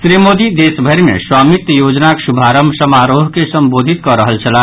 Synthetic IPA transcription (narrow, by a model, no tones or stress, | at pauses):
sɾimod̪id̪esbʱəɾmḛ̃swaːmit̪joːd͡ʒnaksubʱaɾəmbʱsəmaɾoɦkesəmboːd̪ʱit̪̚kɔɾəɦəlt͡ʃʰəla